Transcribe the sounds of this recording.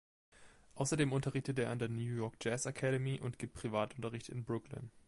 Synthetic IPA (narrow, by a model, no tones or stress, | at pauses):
ʔaʊsɐdeːmʔʊntɐʁɪçtətʔeːɐandeːɐnjuːjɔɐk̚d͡ʒ̥ɛsakʰɛɾəmiʔʊ̰ntɡ̥iːp̚t̚pʁ̥ivaːtʊntɐʁɪçtɪ̰nbʁʊklɪ̰n